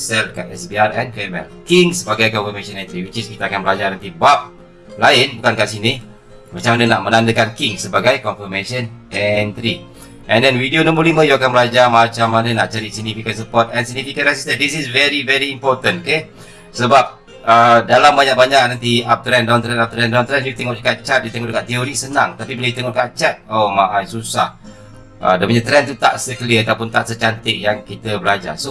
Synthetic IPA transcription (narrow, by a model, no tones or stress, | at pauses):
sɛlkaɛsbiarɛ̃nklemɛ̰lkiŋsəbaɡajkɔnfəmesə̃nɛ̃nt̪ɾiwit͡ʃiskit̪aːkanbəlad͡ʒanant̪ibap̚ | laɪnbukankaʔsini | mat͡ʃamanənaʔmənandəkankiŋsəbaɡajkɔnfəmeʃənɛnt̪ɾi | ʔɛ̃ndɛnwidionɔ̃mbəlimə̃juakanbəlad͡ʒamat͡ʃamːanənaʔt͡ʃaɾisiɡ̚nifikənsəpɔt̪̚ɛnsiɡ̚nifikənɛsist̪əndisisvɛɾivɛɾiimpɔt̪ə̃noke | səbap̚ | ədalambaɲak̚baɲak̚nant̪iap̚t̪ɾɛndalamt̪ɾɛnap̚t̪ɾɛndalamt̪ɾɛnjut̪ɛŋɔʔdəkat͡ʃat̪̚dit̪ɛŋɔʔdəkaʔt̪ioɾisənãŋt̪apibiləjit̪ɛŋɔkat͡ʃat̪̚omaʔasusah | ə̰dapuɲat̪ɾɛnt̪ut̪a̰ʔsəkəliəat̪awpʊnt̪aʔsət͡ʃant̪ɪk̚jaŋkit̪əbəlad͡ʒa̰so